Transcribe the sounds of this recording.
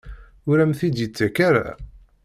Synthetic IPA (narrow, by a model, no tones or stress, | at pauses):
ʊɾæmθid̪jət͡sːækaɾa̰